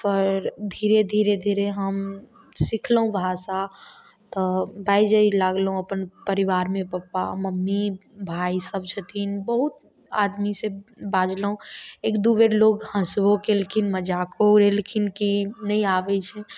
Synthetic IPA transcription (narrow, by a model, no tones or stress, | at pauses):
pəɾd̪ʱiɾed̪ʱiɾed̪ʱiɾeɦəm | sikʰləɦũbʱasa | t̪ɔbʱaid͡ʒəilaɡlɦũəpənpəɾiʋaɾmẽpapːaməmːibʱaisəb̚t͡ʃʰət̪ʰinbəɦut̪ | a̰d̪misẽbad͡ʒləɦũekd̪uʋeɾlokhə̃sbokelkʰinməd͡ʒakoɾelkʰinkinəjaʋɛt͡ʃʰɛ